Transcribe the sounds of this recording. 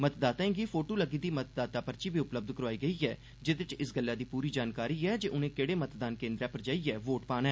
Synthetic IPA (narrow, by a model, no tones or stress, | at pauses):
mət̪d̪aːt̪aẽːɡiːpʰoːʈoːləɡiːd̪iːmət̪d̪aːt̪aːpəɾt͡ʃiːbiːʊpləb̚d̪kəɾʋaːiːɡəiːɛː | d͡ʒɪd̪ɪt͡ʃɪsɡəlːaːd̪iːpuːɾiːd͡ʒaːnkaːɾiːɛːd͡ʒeːʔʊnẽːkeːɽeːmət̪d̪aːnkẽːnd̪ɾɛːpəɾd͡ʒaːiːɛːʋoːʈpaːnɛː